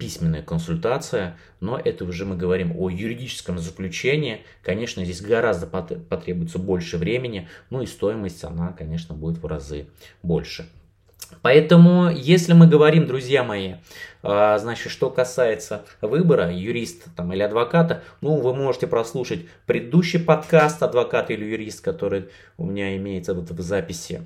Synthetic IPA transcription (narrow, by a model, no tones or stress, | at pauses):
pʲisʲmʲɪnːəjəkənsʊlʲt̪at̪sɨjə | no̞ʔɛt̪əʊʐɨmɨɡəvɐɾʲimo̰jʊɾʲɪdʲit͡ɕɪ̥skəmzəklʲʉt͡ɕenʲɪː | kɐnʲe̞ʂnəzʲdʲes̬ʲɡɐɾazd̪əpɐpɐt̪ɾʲebʊjɪt̪səbo̞lʲʂɨvɾʲemʲɪnʲɪnuist̪o̞jɪməsʲtʲɐ̰nakɐnʲe̞ʂnəbudʲɪt̪vrɐ̰zɨ̰ | bo̞̰lʲʂɨ | pɐɛt̪əmʊjesʲlʲɪmɨɡəvɐɾʲimd̪ɾʊzʲjamɐjiaznat͡ɕɪt̪ʂt̪o̞kɐsajɪt̪sə | vɨbəɾəjʊɾʲist̪ə̥t̪amɨlʲɪɐd̪vɐkat̪ənuvɨmo̞ʐɨtʲɪpɾɐslˠuʂətʲ | pɾʲɪd̪ɪd̪uɕːɪjpɐt̪kast̪ɐd̪vɐkat̪ilʲɪjʊɾʲist̪kɐt̪o̞ɾɨj | ʊ̰mʲɪnʲaɪmʲejɪt̪səvot̪vzapʲɪsʲɪ̰